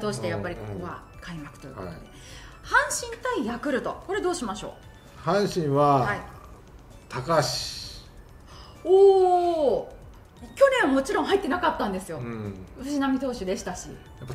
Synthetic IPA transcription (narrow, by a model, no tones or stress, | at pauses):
t̪oːɕi̥t̪e̞japːaɾʲikokoβa | kaimakɯ̟̥o̞jɯ̰kot̪od̪e | hãɰ̃ɕĩnt̪aijakɯ̟ɾɯ̟t̪o̞ko̞ɾe̞d̪oːɕimaɕo̞̰ː | hãɰ̃ɕĩɰ̃βahai | t̪ʰakaɕi̥i̥ | oː | kʲo̞nẽ̞amo̞t͡ɕiɾõ̞ɰ̃ɦait̪ːe̞nakat̪ːãnd̪e̞sɨjo̞ɯ̟ʑinamʲit̪o̞ːɕid̪e̞ɕi̥t̪aɕḭ | japːa